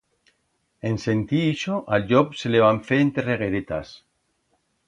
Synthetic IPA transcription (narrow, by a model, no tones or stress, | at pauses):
ense̞nt̪iiʃoʔalʎopseleβaɱfeent̪ereɣ̞eɾet̪a̰s